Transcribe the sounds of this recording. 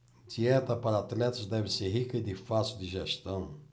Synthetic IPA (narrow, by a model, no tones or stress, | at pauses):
d̪iɛt̪ɐpaɾɐat̪lɛt̪ɐzd̪ɛvɪseɾɦikɐid̪ɪfasiud̪ɪʒeʃt̪ɐ̃w̃